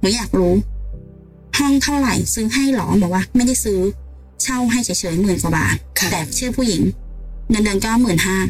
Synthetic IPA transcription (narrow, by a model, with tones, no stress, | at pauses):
hu˨˩˦jaː˨˩k̚ɾuː˦˥ | hɔ˥˩ŋt̪ʰa˥˩wɾa̰˨˩jsɯː˨˦˥ɦa˥˩jlɔ̰ː˩˦bɔː˨˩˦kwaː˧˥˩ma˥˩jda˥˩jsɯː˦˥ | t͡ɕʰa˥˩wɦa˥˩jt͡ɕʰa˨˦jt͡ɕʰɤː˩˦jmɯː˨˩nkwa˨˩ba̰ː˨˩t̪̚ɛː˨˩k̚t͡ɕʰɯː˥˩pʰuː˥˩ji˩˦ŋdɯ˧ndɯ˧nkaː˧˥˩mɯː˨˩nɦaː˥˩